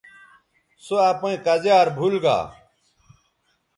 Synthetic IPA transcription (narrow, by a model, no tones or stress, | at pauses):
soapẽːkɐzjaːɾbʱulɡa̰ː